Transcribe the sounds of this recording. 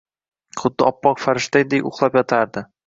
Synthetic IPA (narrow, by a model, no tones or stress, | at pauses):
χʊd̪ːɪɒpːɒqfaɾɪʃt̪ajd̪ejʊ̰χlˠapjɒt̪ʰaɾd̪ɪ